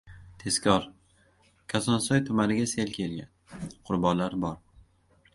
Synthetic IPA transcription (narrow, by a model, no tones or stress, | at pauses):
t̪ʰe̞skʲʰɒɾ | kʲʰasɒnsɒjt̪ʰʊmanɪɡʲaselkʲʰe̞lɡʲa̰nqʰʊɾbɒnlaɾbɒɾ